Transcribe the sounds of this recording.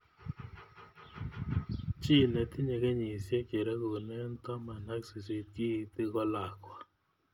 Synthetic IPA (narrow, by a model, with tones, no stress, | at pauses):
t͡ʃi˦nɛ˨t̪i˦ɲe˨ke˦ɲi˨sje˦ke˨ɾɛ˦ko˨nɛ˦n˦t̪ɔ˦ma˨na˦ksi˨se˨˦t̪̚ki˦i˨t̪i˦kɔ˦la˨kwa˦